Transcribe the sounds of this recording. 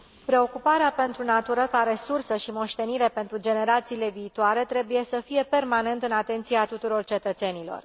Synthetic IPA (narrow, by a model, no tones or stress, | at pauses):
pɾe̞o̞kupaɾeape̞nt̪ɾunat̪uɾəkaaɾe̞sursəʃimo̞ʃt̪e̞niɾe̞pent̪ɾud͡ʒe̞ne̞ɾat̪siːle̞viːt̪oaɾe̞t̪ɾe̞buje̞səfije̞pe̞rmane̞nt̪ɨnat̪e̞nt̪siat̪ut̪uɾo̞rt͡ʃe̞t̪ət̪se̞nilo̞̰r